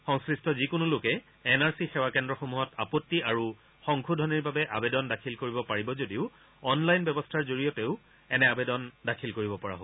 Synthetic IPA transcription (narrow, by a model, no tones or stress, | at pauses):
xɔŋskɹistʰɔzikʊnulʊkɛː | naɹsixewakɛndɹɔxomuɦɔta̰potːiaɹu | xɔŋkʰudʱɔniɹbabɛʔabedɔndakʰilkoɹibɔpaɹibɔzodiʊ | ɔnlajnbɔbɔstʰaɹzoɹijɔteʊ | ɛnɛabedɔndakʰilkoɹibɔpɔɹa̰ɦo